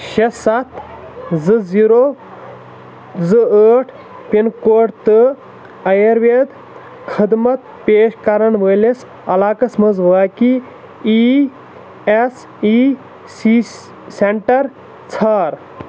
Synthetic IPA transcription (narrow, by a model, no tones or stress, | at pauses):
ʃesɐt̪zɨziɾo | zɨəːʈʰ | pinkoːʈt̪ɨ | ɐjɐɾʋed̪ | kʰɨd̪mɐt̪ | peːʃkɐɾɐɳʋəjles | ɐlaːkɐsmɐzʋaːki | i | es | i | si | seɳʈɐɾ | t͡sʰaːɾ